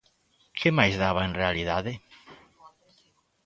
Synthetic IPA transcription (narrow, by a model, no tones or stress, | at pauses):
kʰemajzðaβaẽnrealiðaðe